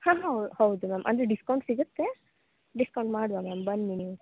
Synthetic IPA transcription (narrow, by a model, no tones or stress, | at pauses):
hãːɦɐw̪uhɐwud̪umɛːmʔɐ̰nd̪ɾeɖiskɐwɳʈsiɡut̪ːe | ɖiskɐwɳʈmaːɽʋamɛːmbɐnd̪iniu